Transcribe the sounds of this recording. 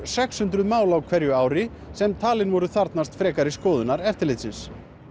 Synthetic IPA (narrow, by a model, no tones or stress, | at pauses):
sɛkshʏnt̪ɾʏðmaːwlawkʰv̥ɛɾjʏaːwɾɪ | sɛmt̪ʰaːlɪnvɔɾʏθaɾt̪nast̪fɾɛːkaɾɪskɔːðʏnaɾɛft̪ɪlɪːt̪sɪns